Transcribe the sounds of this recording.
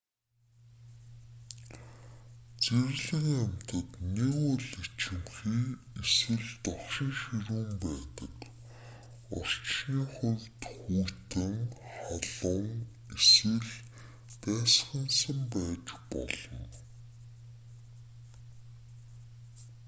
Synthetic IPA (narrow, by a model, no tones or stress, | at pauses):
t͡seɾɣɮɘ̆ŋæm̥ʲt̪ə̆t̪neɣʊɮit͡ɕɘ̆mxiː | eswɘ̆ɮt̪ɔχʃĭŋʃiɾuːmpæːt̪ə̰̆k | ɔ̰r̥t͡ɕniːχʊwʲt̪xuːt̪ɘ̆ŋχaɮʊŋ | esɘ̆ɮ | p̪æːsχə̆nsə̆mpæːt͡ɕpɔ̰ɮɞ̆m